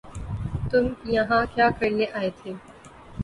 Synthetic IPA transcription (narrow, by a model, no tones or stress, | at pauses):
t̪ʊmjɐɦãkjaːkɐɾneʔaːet̪ʰeː